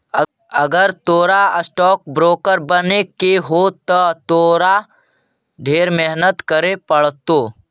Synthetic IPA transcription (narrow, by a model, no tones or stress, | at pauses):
ə | əɡəɾt̪oːɾaəsʈɔːk̚bɾoːkəɾbənekeɦot̪ət̪oːɾa | ɖʱeːɾmeɦnət̪kəɾepəɽt̪oː